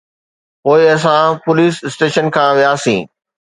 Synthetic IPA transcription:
poːɪɐs̬ãpʊliːsɪsʈeːʃənkʰãːʋijaːsĩː

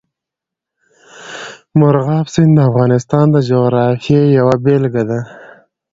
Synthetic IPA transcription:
mʊɾɣɑːfsɪnd̪əafɣɑːnɪst̪ɑnd̪əd͡ʒowɾɑfjejawabelɡad̪a

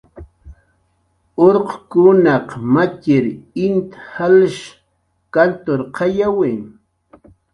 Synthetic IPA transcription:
oɾqkʊnɑqmakɪɾɪnt̪halʃ | kant̪oɾqʰɑjawɪ

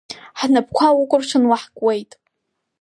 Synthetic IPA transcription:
ħnap̚ʰkʷʰawʊkʷʼʊrt͡ʃʷʰɨnwaħkʼwejtʼ

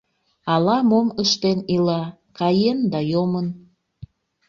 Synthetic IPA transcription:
ɑlɑmoməʃt̪enilɑkɑjend̪ɑjomən

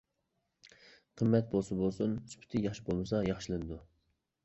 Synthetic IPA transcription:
qʰəmːɛt̪̚bolˠsɨbolˠsunsy̥pʰɪ̥t̪ʰɪjɑχʃibolˠmɨsɑjɑχʃilˠɨnɨd̪u

